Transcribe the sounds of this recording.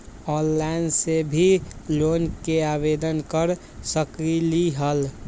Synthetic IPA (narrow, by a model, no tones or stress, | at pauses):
ɔːnːaɪnsebʱiloːnkeaːbeːd̪ənkəɾ | səkiliɦəl